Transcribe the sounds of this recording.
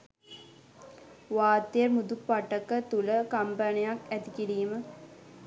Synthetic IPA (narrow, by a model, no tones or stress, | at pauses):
ʋaːt̪ːejəɾmud̪upːaʈəkət̪uləkampanijakæt̪ikiɾiːmə